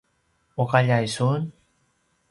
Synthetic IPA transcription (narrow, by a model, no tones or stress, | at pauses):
ukaʎajsun